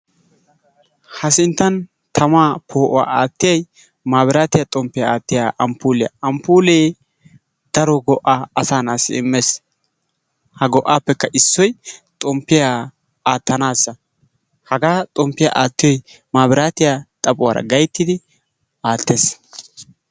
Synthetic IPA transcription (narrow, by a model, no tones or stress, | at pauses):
hɐsɪnt̪ːɐn | t̪ʰɐmaːpʰoːʔɔwa̰ːʔaːt̪ːɪjɐj | maːbɪɾaːt̪ɪjat̪ʼɔmpːɪjaaːt̪ːɪjaʔɐmpuːlɪja̰ɐmpuːleː | d̪̥ɐɾɔɡɔʔaɐsaːnaːsɪ̰ɪmːes | hɐɡɔʔːaːpːɛkːɐʔɪsːɔjt̪ʼɔmpːɪja | aːt̪ːɐnaːsːɐ | hɐɡaːt̪ʼɔmpːɪja̰ʔaːt̪ːɪjɔj | maːbɪɾaːt̪ɪjat̪ʼɐpʼʊwa̰ːɾɐ̰ɡɐjt̪ːɪd̪ɪ | aːt̪ːeːs